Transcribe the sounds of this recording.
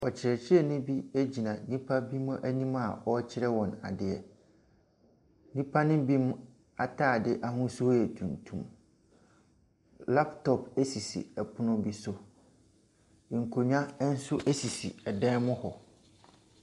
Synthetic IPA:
ɔ˨t͡ɕʰɪ˨ɾɛ˨t͡ɕʰɪ˦ɛ˦˨nʊ̃˦bi˦æ˦d͡ʑi˨nã˨nĩ˦pʰa˦bi˦mʊ̃˦ʔæ˦nĩ˦ma˨ɔ˦t͡ɕʰɪ˦ɾɛ˦wɔ̃˨na̰˨dɪ˨ɛ˨ | nĩ˦pʰa˦nɪ̃˦bi˦m˦ | a˨tʰaː˦˨dɪ˦ʔa˦ɦʊ̃˦sʊ˦hɔ˦ɛ˨tʰũ˨ntʰṵ̃˦m | la˦ptʰɔ˨pʰɛ˦si˨sḭ˨ɛ˨pʰʊ˦nʊ̃˦bi˦sʊ˦˨ | ŋ̩˨kʰo˨ɲᶣã˦n̩˦sʊ˦ʔæ˦si˨sḭ˨ɛ˨dɛ̃˦mʊ̃˦hɔ˨

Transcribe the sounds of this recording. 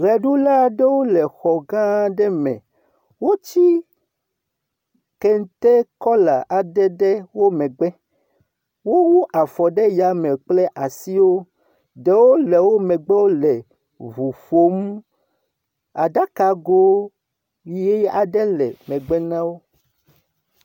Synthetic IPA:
ɣɛ˨ɖu˦la˦ɖe˦wo˦lɛ˨xɔ˨ɡã˦ɖɛ˦mɛ̰̃˨ | wo˦t͡ɕi˦ | ke˦ŋ˦t̪e˦kɔ˦la˨ʔa˨dɛ˦ɖɛ˦wo˦mɛ̃˨ɡ͡bɛ˦ | wo˦wu˦ʔa˨fɔ˨ɖe˦ja˨mɛ̃˨k͡ple˦ʔa˨si˦wo˦ | ɖe˨wo˦lɛ˨wo˦mɛ̃˨ɡ͡bɛ˦wo˦lɛ˨ | vu˨fo˦mũ˦ | a̰˨ɖa˦ka˨ɡo˦ | wi˦je˦ja˨ɖɛ˦lɛ̰˨mɛ̃˨ɡ͡bɛ˦nã˦wo˦

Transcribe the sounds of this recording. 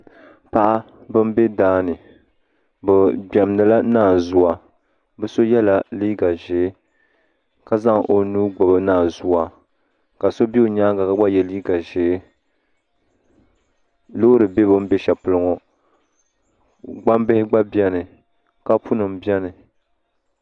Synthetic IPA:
pa˦ʔa˦ | bɨ˦m˦be˦daː˦nɨ˨ | bɨ˨ɡ͡bɛ˨m˦nɨ˨la˦naː˦˨zʊ˦wa˨ | bɨ˦so˦jɛ˦la˨liː˦ɡa˨ʒeː˨˦ | ka˨za˦ŋʔo˨nuː˦ɡ͡bo˨bɨ˨naː˨zʊ˦wa˨ | ka˨so˦bi˦o˨ɲaː˦ɡa˨ka˨ɡ͡ba˦jɛ˦liː˦ɡa˨ʒeː˨˦ | lo˦ɾɨ˨be˦bɨ˦m̩˦bɛ˦ʃɛ˨pʊ˨lɨ˨ŋo˨ | ɡ͡ba˦mbɪ˦hɪ˦ɡ͡ba˦bjɛ˦nɨ˨ | ka˦pu˦nɨ˨m˨bjɛ˦nɨ˨

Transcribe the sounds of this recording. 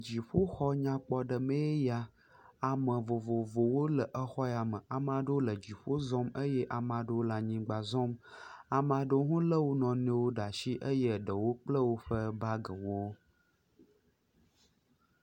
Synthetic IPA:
d͡ʑi˨ɸo˦xɔ˦ɲã˦k͡pɔ˦ɖə˨mẽ˦e˦ja˦ | a˨mə̃˨vo˨vo˨vo˨wo˦lə˨ʔə˦xɔ˦ja˨mə̃˨ʔa˨m˦ã˨ɖə˦o˦lə˨d͡ʑi˨ɸo˦zɔ̃˦mə˦jɛ˦ʔa˨mã˨ɖə˦wo˦la˦ɲĩ˦ɡ͡ba˨zɔ̃˦ma˨ma˨ɖə˦wo˦ɦũ˦lə˦wo˦nɔ̃˨nẽ˦wo˦ɖa˨ʃi˦ʔə˦jə˦˨ɖə˨wo˦k͡plə˦wo˦ɸə˦ba˦ɡə˨wo˦

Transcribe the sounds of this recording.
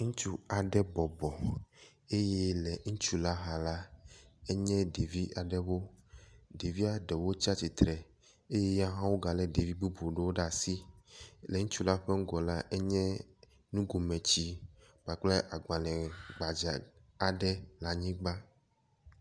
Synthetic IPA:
ŋ̩̃˦t͡ʃu˦a˨ɖɛ˦bɔ˨bɔ˨ | e˦jɛ˦lɛ˨ŋ̩̃˦t͡ʃu˦la˦ɦa˨la˦e˦ɲɛ̃˦ɖe˨vi˦ʔa˨ɖɛ˦wo˦ | ɖe˨vi˦a˨ɖɛ˨wo˦t͡ɕi˦a˦t͡ɕi˨t̪ɾɛ˨ | e˦jɛ˦ja˦ɦã˦wo˦ɡa˨lɛ˨de˨vi˦bu˦bo˨ɖe˦wo˦ɖa˨si˦lɛ˨ŋũ˦t͡ʃu˦la˦ɸe˦ŋ̩˦ɡɔ˨la˦ʔe˦ɲɛ̃˦ | nũ˦ɡo˨mɛ̃˨t͡ɕi˦ | ɡ͡ba˨k͡plɛ˦ʔa˨ɡ͡bã˨lɛ̃˨ɡ͡ba˨d͡ʒa˨ | a˨ɖɛ˦la˨ɲĩ˦ɡ͡ba˦

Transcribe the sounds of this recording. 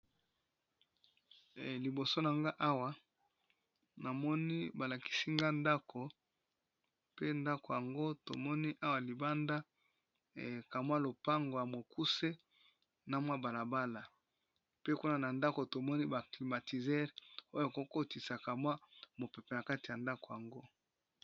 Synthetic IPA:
li˨bo˨so˦na˨ŋɡa˦ʔa˦wa˨ | na˨mɔ˦ni˦ba˨la˨ki̥˦si˦ŋɡa˦nda˦kʰo˨ | pe˦nda˦ko˨ja˨ŋɡo˦to̰˨mɔ˦ni˦ʔa˦wa˨li˨ba˦nda˦˨ | ka˨mwa˦lo˨pa˦ŋɡo˨ja˨mo˨ku˦se˦ | na˨mwa˦ba˨la˨ba˦la˨ | pe˦ku˦na˦na˨nda˦ko˨to˨mɔ˦ni˦ba˨kli˨ma˨ti˨zɛ˦ʁo˦ja˨ko˦ko˦ti˨sa˨ka˨mwa˦mo˨pe˨pɛ˨na˨ka˦ti˨ja˨nda˦ko˨ja˨ŋɡo˦

